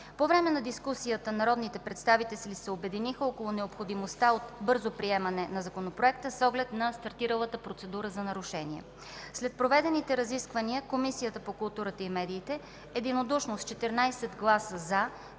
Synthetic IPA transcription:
povɾɛmɛnɐd̪iskusijət̪ənɐɾɔd̪nit̪ɛpɾɛt̪st̪avit̪ɛslisɛobɛd̪inixəɔkolˠonɛopxod̪imost̪aot̪bɤɾzopɾiɛmɐnɛnɐzɐkonopɾoɛk̚t̪əsɔɡlɛt̪nɐst̪ɐɾt̪iɾəlˠət̪əpɾot̪sɛd̪uɾəzɐnɐɾuʃɛniɛ̰ | slɛt̪̚pɾovɛd̪ɛnit̪ɛɾɐziskvəniəkomisijət̪əpokʊlˠt̪uɾət̪əimɛd̪iːt̪ɛ | ɛd̪inod̪uʃnost̪t͡ʃɛt̪ɛɾnajsɛd̪ɡlˠasəza

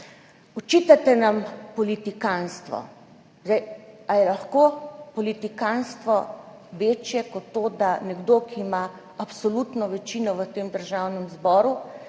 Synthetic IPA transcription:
ɔt͡ʃiːt̪at̪ɛnampɔlit̪ikanst̪ʋɔ̰ | zɛjajɛlaxkoːpɔlit̪ikanst̪ʋɔ | ʋeːt͡ʃjɛkɔt̪ːoːd̪anɛɡd̪oːkʰiːma | apsɔlut̪nɔʋɛt͡ʃinɔʋət̪eːmd̪əɾʒawnɛmzbɔːɾu

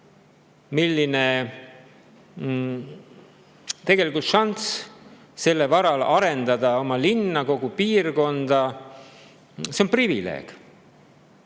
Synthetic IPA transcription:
milːine | t̪e̞ɡ̥e̞likult̪ʃɑnt̪s | se̞lːevɑɾɑlɑɾe̞nd̪ɑd̪̥ɑo̞mɑlinːɑko̞ɡ̥upiːrko̞nd̪̥ɑ | se̞o̞nprivile̞̰ːɡ̥

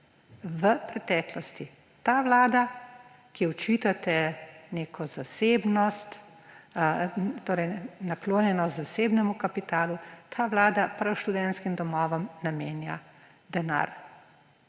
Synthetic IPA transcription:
ʋəpɾɛt̪ɛːklɔst̪i | t̪aːʋlaːd̪a | kiɔt͡ʃiːt̪at̪ɛneːkʰɔzaseːbnɔst̪ | t̪oːɾɛjnakloːnjɛnɔst̪zaseːbnɛmukapit̪aːlut̪ʰaːʋlaːd̪apɾɐwʃt̪ud̪ɛnt̪skimd̪ɔmɔːʋɔmnameːnja̰ | d̪ɛna̰ːɾ

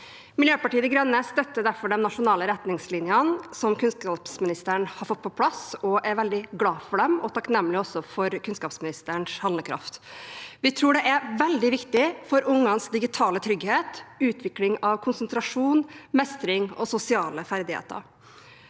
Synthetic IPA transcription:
mɪljøːpɑʈiːəd̪ɪɡɾɛnːəst̪œt̪ːəd̪æɾfɔɖɛnnɑʂʊnɑːləɾɛt̪nɪŋslɪnjənsɔmkʉnskɑːpsmɪnɪst̪əɳhɑɾfɔt̪̚ːpɔpʰlɑsɔʔæɾʋɛld̪ɪɡlɑːfɔɖɛmɔt̪ʰɑknɛmːəlɪɔsːɔfɔɾkʰʉnskɑːpsmɪnɪst̪əɳshɑləkʰɾɑ̰ft̪ʋɪt̪ʰɾuːɖɛʔæɾʋɛld̪ɪʋɪkt̪ɪfɔɾʊŋːɑnsd̪ɪɡɪt̪ʰɑːlət̪ʰɾʏɡheːt̪ʉːt̪ʰʋɪklɪŋɑʋkʰʊnsənt̪ʰɾɑʂuːnmɛst̪ɾɪŋɔsʊsɪɑːləfæɾd̪ɪhḛːt̪ə̰ɾ

